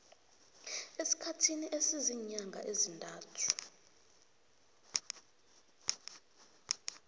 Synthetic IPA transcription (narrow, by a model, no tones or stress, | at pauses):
esi̥kʰatʰiniʔesiziɲaŋɡʱaʔezintʼaːtʰu̥